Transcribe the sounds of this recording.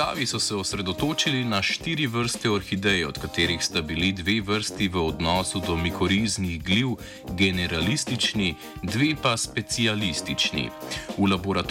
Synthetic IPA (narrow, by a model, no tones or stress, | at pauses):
a̰ːʋisɔsɛɔsɾɛd̪ɔt̪oːt͡ʃilinaʃt̪iːɾiʋəɾst̪ɛaɾxid̪ɛjɛɔt̪kat̪eːɾixst̪abilid̪ʋeːʋəɾst̪iʋəɔd̪nɔːsud̪ɔmikɔɾiːzniɣɡliw | ɡɛnɛɾalist̪it͡ʃni | d̪ʋeːpaspɛt̪sialist̪it͡ʃnḭulabɔɾat̪